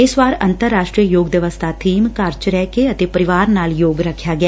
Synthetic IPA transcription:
ɪsʋaːɾə̰nt̪əɾːaːʃʈɾijəjoːɡd̪əʋəst̪ʰaːt̪ʰiːmkəɾt͡ʃɾɛːkeət̪eːpəɾɪʋaːɾnaːljoːɡɾəkʰːjaːɡjaː

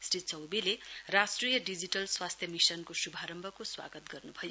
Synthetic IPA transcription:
srit̪̚t͡sʌwbilerasʈrijʌɖid͡ziʈʌlswast̪ʰjʌmisʌnkosubʱaɾʌmbʱʌkoswa̰ɡʌt̪ɡʌrnubʱʌjo

